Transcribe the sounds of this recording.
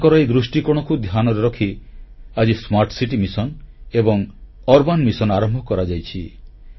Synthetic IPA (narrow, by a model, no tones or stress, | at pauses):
kɔɾaed̪ɾusʈikɔɽ̃ɔkud̪ʱjanɔɾeɾɔkʰiad͡ʒismaɾʈsiʈimisɔnebɔŋ | ɔɾbanmisɔnaɾɔmbʱɔkɔɾad͡ʒajt͡ʃʰi